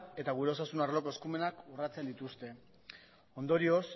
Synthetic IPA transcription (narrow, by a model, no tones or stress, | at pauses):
e̞t̪aɣ̞uɾe̞o̞sasunarlo̞ko̞e̞skume̞nakurat͡se̞nd̪it̪ust̪e̞ | o̞nd̪o̞ɾio̞s